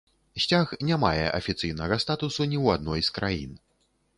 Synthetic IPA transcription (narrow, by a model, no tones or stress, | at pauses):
sʲt͡sʲaxnʲamajɛ̰ʔɐ̰fʲit̪sɨjnɐɣɐst̪at̪usunʲiwad̪̚nɔjskɾʔajḭn